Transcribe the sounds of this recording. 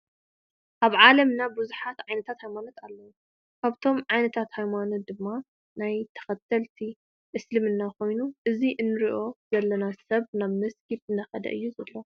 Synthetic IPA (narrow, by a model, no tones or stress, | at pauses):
ʔaβʕalɐmnabuzuħat̪ʕajnɐt̪ʰat̪hajmanot̪ʰalːɐwu | kʰaβt̪ʰo̞mʕajnɐt̪ʰat̪hajmanot̪̚d̪ɨmːa | najt̪ʰɐ̥xɐt̪ʰːɐlt̪ʰi | ʔɨslɨmɨnːako̞jnuʔɨziʔɨnːɨɾiʔo̞zɐlːɐnasɐβnaβmɐskʰit̪ɨnd̪ɐxɐd̪ɐ̰ʔɨjːuzɐlːo